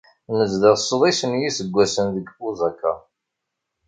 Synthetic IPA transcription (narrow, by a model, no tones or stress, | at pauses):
nəzðəsˤːðˤisənjisəɡʷːæsənðəɡfuzækːa̰